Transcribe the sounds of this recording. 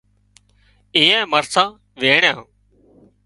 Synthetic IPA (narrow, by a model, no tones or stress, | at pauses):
iːɛ̃ːməɾsãː | ʋeːɳjãː